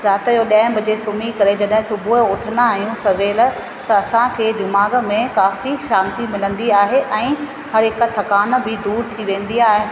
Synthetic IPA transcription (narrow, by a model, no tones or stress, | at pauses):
ɾaːt̪joɗɐ̃ɦɪ̃bɐd͡ʑesʊmikɐɾed͡ʑɐɗɦɪ̃sʊbʱuʊt̪ʰənaːɦijũsɐʋeːl | t̪ɐɐsãkʰeːd̪ɪmaːɡə̆mẽkaːfiʃãːnt̪imɪlə̃nd̪iaːɦeʔɛ̃ː | hɐɾɪkət̪ʰɐkaːnbɪd̪uːɾt̪ʰiʋẽːnd̪iaːɦe